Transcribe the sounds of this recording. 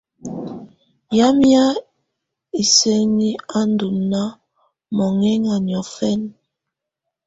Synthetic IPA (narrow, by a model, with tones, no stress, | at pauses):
ja˦mja˦ | i˨se˦ni˦a˦n˦du˨mna˦ | mɔ˨ŋɛ˦ŋa˨ɲi˨ɔ˨fɛ˦n